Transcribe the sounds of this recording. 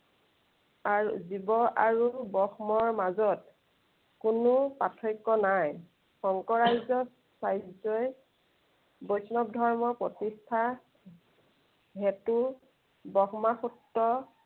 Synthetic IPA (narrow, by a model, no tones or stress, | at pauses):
aɹṵzibɔʔaɹubɔxmɔɹmazɔt | kunʊpatʰɔjkːɔnaj | xɔŋkɔɹajzɔ | sajzɔj | bojsnɔb̚dʱɔɹmɔpɹɔtistʰa | ɦɛtu | bɔxmaxutːɔ